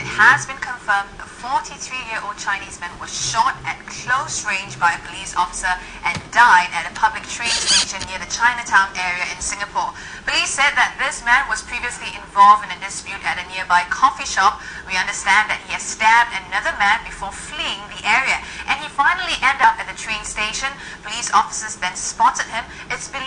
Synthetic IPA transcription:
ɪt̚həzbɨ̃nkʰə̃ɱfɜ̃˞mðəfɔɹɾʰiθɹijɪɹʔoʊd̚t͡ʃʰãɪ̃nizmɛ̃nwʌz̥ʃɔɾɨt̚kʰl̥oʊsɹẽɪ̃nd͡ʒbaɪpʰəlizɔ̰fə̥sə˞ | ʔɨ̃ndaɪɾɨɾɨpʰʌblɨk̚tʰɹ̥ẽɪ̃ntʰẽd͡ʒə̃nɪɹðɨt͡ʃʰãɪ̃nɨtʰãʊ̃nʔɛɹiɨɪ̃nsɪ̃ŋəpʰɔɹ | pʰəlisɛd̪̚ðɨt̪̚ðɪsmæ̃nwʌz̥pʰɹ̥iviəsliʔɪ̃ɱvɔlˠvdɨ̃nɨdɪspjʉɾɨɾɨnɪɹbaɪkʰɔfiʃɑp̚wiʌ̃ndəstæ̃nðɨt̚hiɨstæmdɨnʌðəmæ̃nbɨfɔfliɪ̃ŋðiʔɛɹiəʔɨ̃nifãɪ̃nəl̩iʔɛ̃ndʌpɨt̪̚ðətʰɹ̥ẽɪ̃nsteɪʃə̃n | pʰəlisɔfə̥səzðɨ̃nspɔtəd̚hɪ̃mɪtsb̥ɪ

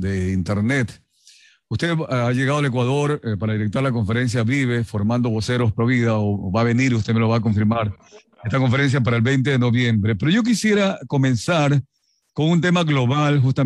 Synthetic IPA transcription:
d̪eint̪eɾne̞t̪ | ust̪e̞ðaʝe̞ɣaðale̞k̬waðo̞ɾpaɾaðiɾek̚t̪aɾlako̞ɱfe̞ɾe̞ns̬jaβiβe̞fo̞ɾmãnd̪o̞βo̞se̞ɾospɾoβiðaoβaβe̞niɾust̪emeloβaːk̬o̞ɱfiɾmaɾ | est̪ako̞ɱfeɾe̞ns̬jap̬aɾaelbejnt̪̬e̞ðeno̞βje̞mbɾe̞pe̞ɾo̞ʝo̞k̬isje̞ɾako̞mẽ̞nsaɾ | ko̞ŋunt̪̬e̞maɣlo̞βalxust̪a

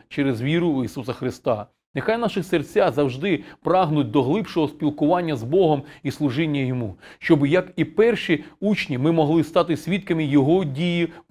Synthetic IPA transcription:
t͡ʃeɾezʋʲiɾʊisusɐxɾɪst̪ɑ | nɪxajnɑʃɪxsert͡sʲazɐwʒd̪ɪpɾɑɦnʊt̚ʲd̪ɔɦlˠɪpʃɔɦɔspʲilˠkʊʋɑnʲːɐzbɔɦɔmislˠʊʒɪnʲːɐjɔmuʃt͡ʃɔbɪjɐkipɛrʃiut͡ʃnʲimɪmɔɦlˠɪst̪ɑt̪ɪsʲʋʲit̪kɐmɪjɔɦɔdʲiji

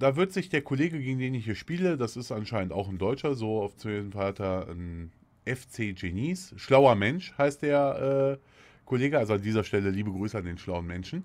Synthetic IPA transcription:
d̥aːvɪɐtz̥ɪçd̥eːɐkʰoleːɡəɡeːɡŋ̩n̩deːnɪçiːɐʃpiːlədasɪstʔanʃaɪnəntaʊxn̩dɔʏt͡ʃɐzoːaʊft͡sːzm̩faːtʰɐn | ʔɛft͡seːd͡ʒeniːsʃlaʊɐmɛnʃhaɪst̚d̥eːɐʔɛː | kʰoleːɡəʔalzoandiːzɐʃtɛləliːbəɡʁyːsəandeːnʃlaʊənmɛnʃn̩

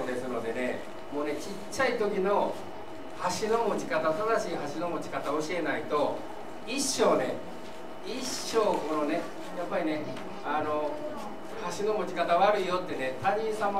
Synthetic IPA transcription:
d̪e̞sɨno̞d̪e̞ne̞̰ | mo̞ːne̞t͡ɕi | t͡ɕːait̪o̞kʲino̞ | haɕino̞mo̞t͡ɕi̥kat̪asbaaɕiːɦaɕino̞mo̞t͡ɕi̥kat̪aoɕie̞nait̪o̞ | iɕːo̞ːne̞ | i | ɕːo̞ːkonone̞ | japːaɾʲine̞ | ano̞ | haɕino̞mo̞t͡ɕi̥kat̪aβaɾɯ̟ijo̞t̪ːene̞t̪aɲ̟ĩsama

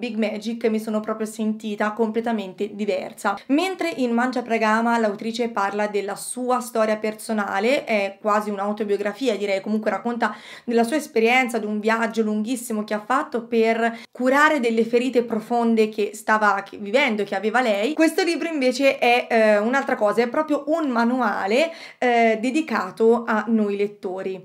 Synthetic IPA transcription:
biɡmɛːd͡ʒikːmːisoːnopɾɔːpɾjosent̪iːt̪akomplet̪ament̪ed̪ivɛ̰rsament̪ɾeʔinmand͡ʒapɾaɡaːmalawt̪ɾiːt͡ʃeparlad̪elːasuːast̪ɔːɾjapersona̰ːleʔɛkːwaːziunawt̪objoɡɾafiːad̪iɾɛjkomuŋkweɾakːont̪ad̪elːasuːaespeɾjɛnt̪sad̪uɱvjad͡ʒːoluŋɡ̟isːimok̟eafːat̪ːoperkuɾaːɾed̪elːefeɾiːt̪epɾofond̪ek̟est̪aːvakʰvivɛnd̪okeaveːvalɛjkwest̪oliːbɾoiɱveːt͡ʃeʔɛunalt̪ɾakɔːzaɛpːɾɔːpɾjoʔunmanua̰ːle | d̪ed̪ikaːt̪oanːojlet̪ːoːɾi

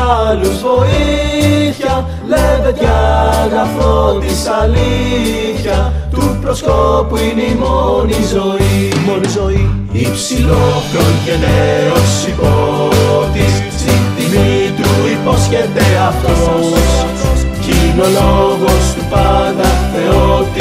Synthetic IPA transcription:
luvo̞i | çɐ | levet̪ʝɐnɐfɾot̪isɐli | çɐ | t̪upɾoskopuinimonizoimonizoi | ipsilopɾonʝeneɾosipot̪i | sit̪imit̪uiposcend̪eɐft̪o | cinoloɣost̪upɐdɐeot̪

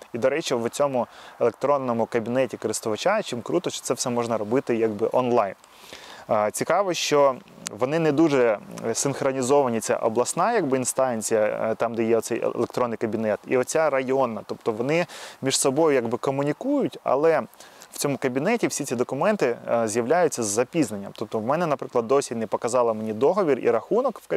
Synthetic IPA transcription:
id̪ɔɾɛt͡ʃiʋʊt͡sʲɔmʊelˠekt̪ɾɔnːɔmʊkɐbʲinɛtʲikɔɾɪst̪ʊʋɐt͡ʃat͡ʃɪmkɾut̪ɔʃt͡ʃɔ̥t̪sɛfsɛmɔʒnɐɾɔbɪt̪ɪjaɡbɪʔɔnlˠɑjn | t͡sʲikɑʋɔʃt͡ʃɔʋɔnɪnɛd̪uʒɛsɪnxɾɔnʲizɔʋɐnʲit͡sʲa̰ʔɔblˠɐsnɑjɐɡbɪinst̪ɑnʲt͡sʲijɐ̰t̪ɑmd̪ɛjɛɔt̪sɛj̰lˠekt̪ɾɔnːɪjkɐbʲinɛt̪ḭɔt͡sʲaɾɐjɔnɐt̪ɔpt̪ɔʋɔnɪmʲiʐsɔbɔjʊjɐɡbɪkɔmʊnʲikujʊtʲɐ̰lˠɛw̥t͡sʲɔmʊkɐbʲinɛtʲiwsʲit͡sʲid̪ɔkʊmɛnt̪ɪzʲjɐʋlʲajʊt͡sʲːɐzːɐpʲiznɐnʲːɐmt̪ɔp̚t̪ɔwmɛnɛnɐpɾɪklˠɐd̪ːɔsʲinɛpɔkɐzɑlˠɐmenʲid̪ɔɦɔʋʲirḭɾɐxunɔkwkɐ

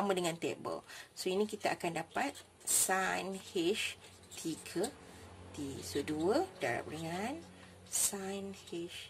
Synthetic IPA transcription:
amãdəŋãnt̪ɛ̰ʔbə̰lsoinĩkit̪aʔakandapat̪̚ | sajnhiʃ | t̪ʰiɡʰə | t̪isoduədaɾa̰p̚rəŋan | sajnhiʃ

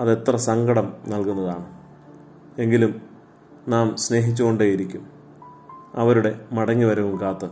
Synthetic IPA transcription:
ɐðe̞t̪rɐsɐŋɡɐɽɐmnɐlkunːɐðaːɳɨ | e̞ŋɡilum | naːmsne̞ːɦit͡ɕːuɣo̞ɳɖeːjiɾikʲːum | ɐʋɐɾuɽe̞mɐɽɐŋːiʋɐɾuʋumkaːt̪ːɨ

